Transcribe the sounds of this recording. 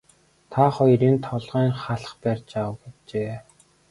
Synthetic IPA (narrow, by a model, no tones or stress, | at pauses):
t̪ʰaχɔjriːnt̪ʰɔɮʁæːŋχaɮ̆χpærʲt͡ɕawə̆wɡet͡ɕeː